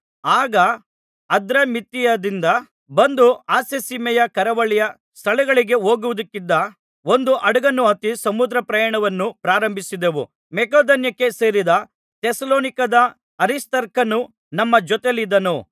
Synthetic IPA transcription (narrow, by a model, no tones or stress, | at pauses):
aːɡɐ | ɐd̪ɾɐmit̪ijɐd̪ind̪ɐ | bɐnd̪uaːsesimɛjɐkɐɾɐʋɐɭijɐ | st̪ʰɐɭɛɡɐɭiɡe̞ɦo̞ːɡuʋud̪ɐkːid̪ːɐ | o̞nd̪uʔɐɽɐɡɐnːuɦɐt̪isɐmud̪ɾɐpɾɐjɐɳɐʋɐnːupɾaːɾɐmbʱisid̪eʋu | mɛkoːd̪ɐnjɐkːe̞se̞ːɾid̪ɐ | t̪esɐloːnikɐd̪ɐ | ɐɾist̪ɐɾkɐnu | nɐmːɐd͡ʒɔt̪elid̪ɐnu